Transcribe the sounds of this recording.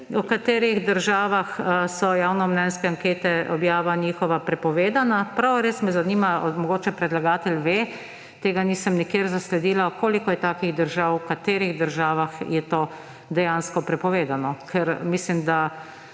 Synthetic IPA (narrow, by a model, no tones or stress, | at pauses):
ukat̪eːɾiɣd̪əɾʒaːʋaxsɔjaːwnɔmnɛnskɛaŋkeːt̪ɛɔbjaːʋaniːxɔʋapɾɛpɔʋeːd̪anapɾawɾeːsmɛzanimamɔɡoːt͡ʃɛpɾɛd̪laɡaːt̪ɛlʲʋe | t̪eːɡaniːsəmnikjeːɾzaslɛd̪iːlakoːlikɔjɛt̪aːkiɣd̪əɾʒawkat̪eːɾiɣd̪əɾʒaːʋaxjɛt̪oː | d̪ɛjaːnskɔpɾɛpɔʋeːd̪anɔkʰɛɾmislimd̪a